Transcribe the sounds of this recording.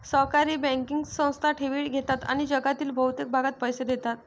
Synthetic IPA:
səɦkaɾiːbɛ̃ŋkiŋɡsə̃w̃st̪ʰaʈʰeʋiːɭɡʱet̪at̪a̰ɽ̃id͡ʑəɡat̪iːlbʱəwt̪ek̚bʱaɡat̪̚pəjsed̪et̪at̪̚

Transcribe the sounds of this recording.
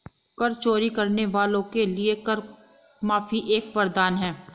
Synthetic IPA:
kɐɾt͡ʃoːɾikɐɾneʋaːlõkeliekɐɾ | maːfiʔeːkʋɐɾd̪aːnɦɛ̃ː

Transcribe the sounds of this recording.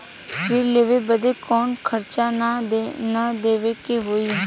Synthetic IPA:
pɾiːleːʋeːbəd̪eːkɔːnkʰəɾt͡ʃaː | nəd̪eːʋeːkeːɦoːiː

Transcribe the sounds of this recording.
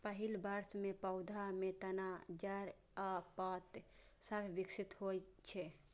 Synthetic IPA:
pəɦilbəɾsmepəʊd̪ʱamet̪ənad͡ʒaɾ | apat̪ | səbʱbiksit̪ɦojt͡ʃʰɛ

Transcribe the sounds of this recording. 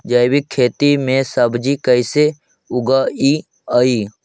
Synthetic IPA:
d͡ʒəjbikʰːeːt̪imẽsəbd͡ʒikəɪse | ʊɡai | aiː

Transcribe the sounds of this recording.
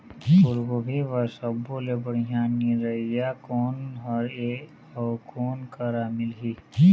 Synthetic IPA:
ʊɾɡobʱiʋɐsəbolebəɽijaːniɾɐijakoːnɦɐɾe | ɔːkʰoːnkaɾaːmɪlɦi

